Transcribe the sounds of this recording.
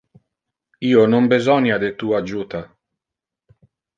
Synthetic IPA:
iːonombezɔnjad̪et̪uːad͡ʒuːt̪a

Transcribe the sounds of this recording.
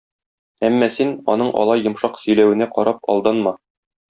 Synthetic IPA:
æmːɒsinɒ̰nɤɴʔɒ̰lˠɑjːɤ̆mʃɑqsɵ̆jlæwɘ̆næqɒɾɑp̚ɒ̰lˠd̪ɑnmɑ

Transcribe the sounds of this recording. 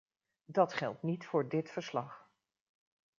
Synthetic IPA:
dɑtχɛ̰lˠtnitfʊːɹdɪtfəɹslɑχ

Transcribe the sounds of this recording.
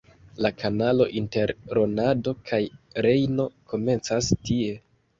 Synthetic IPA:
lakʰanalo̞̰ʔinte̞ɾːo̞nado̞kʰajɾe̞jno̞ko̞me̞nt͡sastie̞

